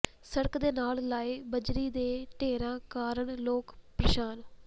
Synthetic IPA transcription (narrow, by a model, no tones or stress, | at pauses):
səɽəkd̪eːnaːllaːeːbəd͡ʒɾiːd̪eːʈeːɾãːkaːɾəɳloːkpɾəʃaːn